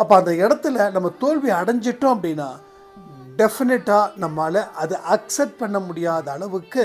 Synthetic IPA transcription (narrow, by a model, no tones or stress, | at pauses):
ɐpːoːɐnd̪ɐɪɽɐt̪ːɯlɐnɐmːɐt̪oːɻʋiɐɽɐɲd͡ʒɪʈːʊ̃ɐpːɐɽinaː | ɖɛfɪnɪʈːaːnɐmːaːlɐʔɐðɯʔɐksɛʈ̚pɐɳːɐmʊɽɪjaːðɐːɭɐʋɯkːɯ